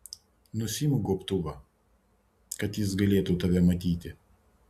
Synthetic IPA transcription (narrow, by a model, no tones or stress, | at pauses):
nʊsʲimʊɡuɔpt̪uʋɐ | kɐt̪jɪsɡɐlʲeːt̪ut̪ɐʋʲɛmɐt̪ʲiːt̪ʲɪ